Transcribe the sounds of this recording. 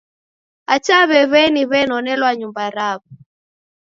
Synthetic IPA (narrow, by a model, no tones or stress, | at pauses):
at͡ʃaβɛβɛniβɛnɔnɛlwaɲumbaɾaβɔ